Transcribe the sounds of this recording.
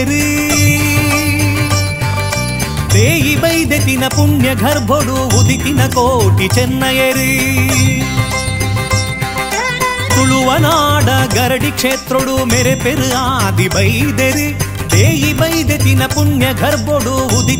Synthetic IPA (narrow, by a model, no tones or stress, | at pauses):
ɾi | d̪eːjibɐjd̪et̪inɐpuɳjɐɡʱɐɾbʱoɽuʋud̪ʱit̪inɐkoːʈit͡ʃɛnːɐjeɾi | k̪uɭuʋɐnaːɖɐɡɐɾɐɖikʂeːt̪ɾoɽumeɾepeɾɯaːd̪ibɐjd̪eɾi | d̪eːjibɐjd̪et̪inɐpuɳjɐɡʱɐɾbʱoɽuʋud̪ʱi